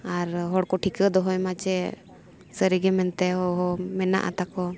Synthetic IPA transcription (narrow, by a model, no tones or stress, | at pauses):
aɾɦɔɽkɔʈʰikəd̪ɔɦɔjmat͡ʃɛ | səɾiɡɛmɛnt̪ɛɦɔɦɔmɛna̰ʔa̰t̪akɔ